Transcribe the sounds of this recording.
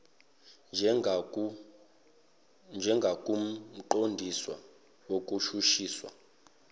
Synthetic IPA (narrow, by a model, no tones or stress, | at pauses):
nd͡ʒʱɛŋɡʱakʼum̩ǃondʱiswa̰ | wokʼuʃuʃiːswa̰